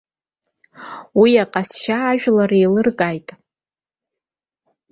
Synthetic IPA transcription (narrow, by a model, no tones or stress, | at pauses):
wiaqʼasʃaːʒᶣlarejlɨrkʼajtʼ